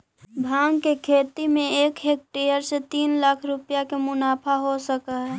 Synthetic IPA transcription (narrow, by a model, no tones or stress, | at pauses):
bʱaːŋɡkekʰeːt̪imẽeːkɦeːk̚ʈejəɾset̪iːnlakʰɾʊpjakemʊnaːpʰaɦosəkaɦɛː